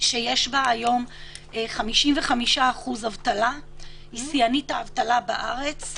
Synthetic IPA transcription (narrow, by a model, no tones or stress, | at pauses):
ʃeje̞ʃbaːjo̞meχamiʃimveχamiʃaːχuzhavtala | isijanitaːvtalabaʔaʁe̞t͡s